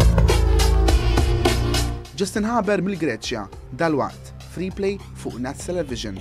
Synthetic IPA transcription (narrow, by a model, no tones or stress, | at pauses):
d͡ʒɐst̪ɪnħɐbɛɾmɪlɡɾɛːt͡ʃjɐ̰ | d̪ɐlwɐ̰ʔt̪ | fɾiːplɛj | fʊːʔnɛt̪ːt̪ɛlɛvɪʒən